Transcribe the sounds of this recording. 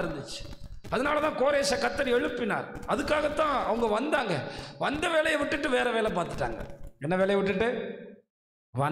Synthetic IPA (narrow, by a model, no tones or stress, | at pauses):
ɾɯnd̪ɯt͡ʃːɯ̥ | ɐðɐnaːlɐt̪ãːkoːɾeːsɐkɐt̪ːɐɾɛɻɯpːɪna̰ːɾɐðɯkːaːɣɐt̪ːãːɐʋɐŋɡɐʋɐnd̪aːŋɡɐʋɐnd̪ɐʋeːlɐjɐʋɪʈːɯʈːɯʋeːɾɐʋeːlɛpaːɾt̪ɯ̥ʈːa̰ːŋɡɐ̰ɛnːɐʋeːɭɐjɐʋɪʈ̬ːɯʈːɯ | ʋɐn